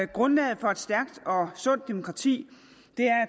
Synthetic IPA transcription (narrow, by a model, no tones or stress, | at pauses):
ɡ̥ʁɔ̽nlɛːð̞̩ˠfɒ̽e̝d̥sd̥æɐɡ̥̚d̥ɒ̽sɔ̽n̰d̥ːe̝mo̝kʰʁɑ̈t͡sʰḭː | d̥e̝æɐæ